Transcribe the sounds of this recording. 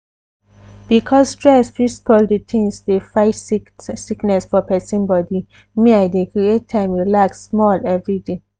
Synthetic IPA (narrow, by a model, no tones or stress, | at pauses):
b̥ikʰɔssːtɹɛsfispʰɔlditʰĩnsdefaɪsiknɛsfɔpɛsĩnbɔdi | miaɪdekɹiet̚tʰːãɪ̃mwilaksːmɔlɛvɹide